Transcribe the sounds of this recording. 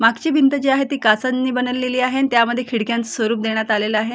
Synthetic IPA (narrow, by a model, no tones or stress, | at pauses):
maɡt͡ɕiːbʱint̪əd͡ʑiaɦet̪iːkasənːiːbənəlːeliːaɦent̪jaməd̪ʱːjekʰiɽkjãnt͡səsʋəɾuːp̚d̪eɽ̃jat̪aleləaɦe